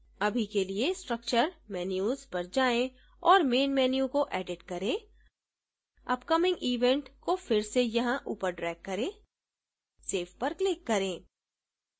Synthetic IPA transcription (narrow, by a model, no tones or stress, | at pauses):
ɐbʱikeliesʈɾɐk̚t͡ʃəɾmɛːnjuːzpɐɾd͡ʒaːẽ | ɔːɾmeːnmɛːnijõkoʔɛːɖɪʈkɐɾẽː | ɐpkɐmɪ̃ŋɡʔiːʋɛ̃ɳʈkofɪɾsejɐɦãʔuːpəɾɖɾɛːk̚kɐɾẽː | seːfpɐɾklɪkːɐɾẽː